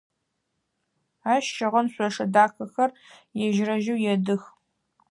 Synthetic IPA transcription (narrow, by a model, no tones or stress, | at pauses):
aːʃʃɐʁɐnɕʷɔʂɐdaːxɐxɐrjɛʒrɐʒɪwjɛdɨx